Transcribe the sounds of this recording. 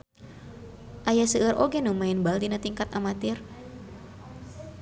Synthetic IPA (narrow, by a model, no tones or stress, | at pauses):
ʔajasəɾʔoɡɛnumaɪnbaldinat̪iŋkat̪̚amat̪ɪr